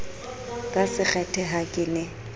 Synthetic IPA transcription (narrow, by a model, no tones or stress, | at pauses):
kʼasɪk͡xɛtʰɛɦakʼɪnɛ